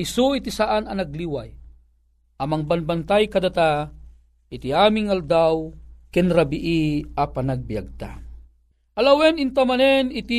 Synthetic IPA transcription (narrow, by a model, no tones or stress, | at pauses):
isuit̪isaʔanɐnɐɡ̚liwaj | ʔɐmaŋbanbant̪ajkɐd̪at̪a | ɪt̪iaːmɪŋald̪awkɛnɾabiʔiapanaɡ̚bijaɡ̚t̪a | ʔɐlawɛnɪnt̪amanɛnit̪i